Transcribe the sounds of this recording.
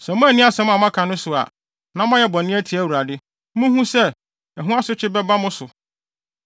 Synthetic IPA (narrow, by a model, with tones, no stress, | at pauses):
sɛ˨mʊ̃˦æ˨nɪ̃˦a˦sɛ˨mʊ̃˦a˨mã˦kʰã˨nʊ̃˦sʊ˨a̰˨ | nã˨˦m˦ã˦jɛ˦bɔ̃˨nɪ̃˦æ˦tʰi˨˦æ˦wu˨ɾa˨dɪ˦ | mũ˦ɦũ˦sɛ˦˨ | ɛ˨ɦũ˦a˦sʊ˦t͡ɕʰɪ˦bɛ˦ba˦mʊ̃˦sʊ˨